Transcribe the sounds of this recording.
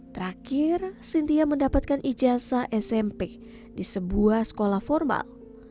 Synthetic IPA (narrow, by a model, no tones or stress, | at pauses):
t̪əɾakirsint̪iaməndapat̪̚kanʔid͡ʒasaʔɛsɛmpɛk̚ | disəbuahsə̥kolahfɔrma̰l